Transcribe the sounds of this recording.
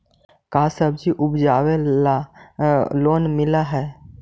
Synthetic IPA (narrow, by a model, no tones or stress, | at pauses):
kaːsəbd͡ʒiʔʊbd͡ʒaːwe | loːnmɪlaɦɛː